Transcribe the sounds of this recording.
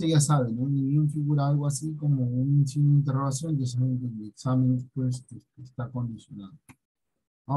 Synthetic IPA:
eʝasaβenoniβiunfiɣuɾaalɣoasikomounnsinint̪̬eroɣ̞as̬jond̪es̬amẽnt̪ed̪eksamẽnespwes̬esest̪ako̞nd̪isjo̞naðo | a

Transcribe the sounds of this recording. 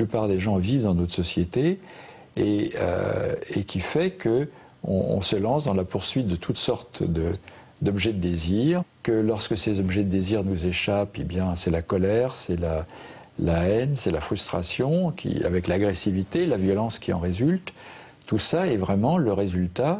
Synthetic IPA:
plypaʁd̪eʒɑ̃vivd̪ɑ̃nɔt̪χsɔsjet̪e | eø̰ekʲifɛkʰə | ɔ̰̃ɔ̰̃səlɑ̃sd̪ɑ̃lapuʁsɥit̪̚d̪ət̪ʰut̪sɔʁt̪d̪ə | d̪ɔbʒɛd̪əd̪eziːʁkəlɔʁskəsezɔbʒɛd̪əd̪eziʁnuzeʃapebjɛ̃sɛlakɔlɛʁsɛla | laɛnsɛlafχyst̪χa̰sjɔ̃kʲḭa̰vɛklaɡʁesivit̪elavjɔlɑ̃skʲiɑ̃ʁezylt̪ː | usaɛvʁɛmɑ̃ləʁezylt̪a

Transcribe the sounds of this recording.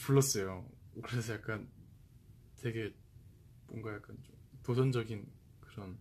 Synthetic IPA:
puɭːʌs͈ʌjokɯɾesʰʌjak͈̚an | twe̞ɡe̞ | moŋɡajak͈ant͡ɕomtosʰʌnd͡ʑʌɡin | kɯɾʌn

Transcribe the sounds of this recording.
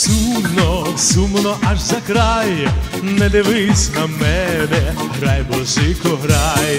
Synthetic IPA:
sunɔsumɔnɔʔaʐzɐkɾaj | nɛd̪ɛʋɪsʲnɐmɛb̪ɛɦɾajbɔlʃɪkɔɦɾaj

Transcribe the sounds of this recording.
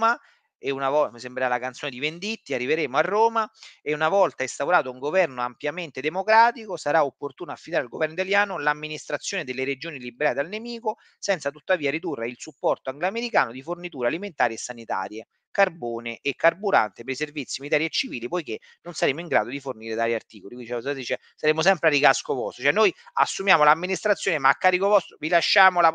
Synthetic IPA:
ma | eunavɔsembɾeɾalakant̪soːned̪ivend̪it̪ːiarːiveɾeːmoarːoːmaeunavɔlt̪aest̪auɾaːt̪ouŋɡovɛrnoampjament̪ed̪emokɾaːt̪ikosaɾaopːort̪uːnoafːid̪aːɾealɡovɛɾrnoit̪aljaːnolamːinist̪ɾat̪sːjoːned̪elːeɾed͡ʒoːnilibeɾaːt̪ealnemiːko | sɛnt̪sat̪ut̪ːaviːaɾid̪urːeilsupːɔrt̪oaŋɡlameɾikaːnod̪ifornit̪uːɾealiment̪aːɾiesːanit̪a̰ːɾje | karboːneʔekːarbuɾa̰nt̪epeɾiservit̪sːimnit̪aːɾjiet͡ʃːiviːlipojk̟e | nːonsaɾeːmoiŋɡɾa̰ːd̪od̪iforniːɾed̪aːɾiart̪iːkolikd̪it͡ʃɛsd̪it͡ʃɛ | saɾeːmos̬ɛmpɾeaɾikaskovɔ̰st̪ot͡ʃɛnojasːumjaːmolamːinist̪ɾat̪sːjoːnemaːkːaːɾikovɔst̪ɾovilaʃːaːmola

